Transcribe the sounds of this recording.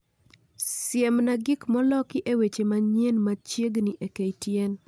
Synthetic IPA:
sjemnaɡikmɔlɔkɪʔewet͡ʃemaɲenmat͡ʃjeɡniʔekejtjen

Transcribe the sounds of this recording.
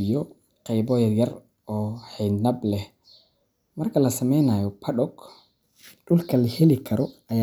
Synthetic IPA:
jɔ | qɛjbɔːjɐjɐr | ɔːħɛjnɐblɛh | mɐrkʰɐlɐsɐmɛjnajɔpʰɐɗɔɡ | ɖʊlkʰɐlɐhɛlɪkʰɐɾɔʔɐja

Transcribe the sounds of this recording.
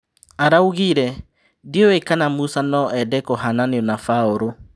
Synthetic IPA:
aɾauɣiɾɛ | dioekanamusanɔɛdɛkɔɦananeɔnafaoɾo

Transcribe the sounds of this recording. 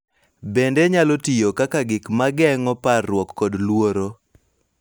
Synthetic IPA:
bendeɲalotijokakaɡɪkmaɡɛŋɔparːwɔkːɔdlwoɾo

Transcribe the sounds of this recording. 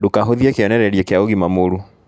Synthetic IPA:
dokaɦoðiekeɔnɛɾɛɾjekeaoɣimamoɾu

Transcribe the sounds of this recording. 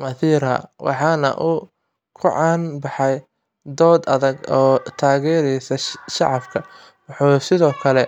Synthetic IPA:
mɐθiːɾhɐ̰wʔɑ̰ħɑːnɐ̰ʔʊ | kʰʊʕɑːnbɑħɑj | d̪ɔːd̪ɐðɐɡɔːt̪ʰaːɣɛːɾɛjsɐʃɑ̰ʕɑfkʰɐ | wʊħuːsɪðɔːkʰɐlɛ

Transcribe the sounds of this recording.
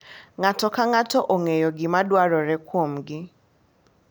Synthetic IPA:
ŋatɔkaŋatɔʔoŋejɔɡɪmadwaɾɔɾɛkwomɡɪ

